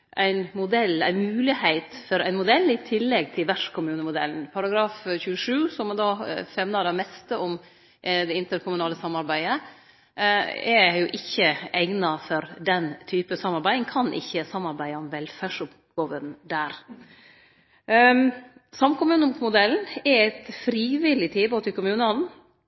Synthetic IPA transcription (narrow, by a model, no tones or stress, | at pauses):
ʔæ̰ɪnmʊd̪ɛlæ̰ɪnmʉːlɪhæɪt̪fɔɾæɪnmʊd̪ɛlːɪt̪ʰɪlːɛɡ̚t̪ʰɪlʋæʂkʰʊmʉːnəmʊd̪ɛ̰ln̩pʰɑɾɑɡɾɑːfçʉːəʂʉːsɔmd̪ɑːfɛmnɑd̪ɛmɛst̪əʔɔm | ʔd̪ɛɪnt̪əɾkʰʊmʉnɑːləsɑmːɑɾbæɪə | ɛjʊʔɪçːəæɪnɑfɔɾd̪ɛnt̪ʰyːpəsɑmːɑɾbæɪəŋkʰɑnʔɪ̰çːəsɑmːɑɾbæɪɔmʋɛlfæːʂʊp | ɡoːʋənd̪æːɾ | sɑmkʰʊmʉːnəmʊd̪ɛln̩ɛæɪt̪fɾiːʋɪlɪt̪ʰiːboːt̪ɪkʊmʉːnəɔnn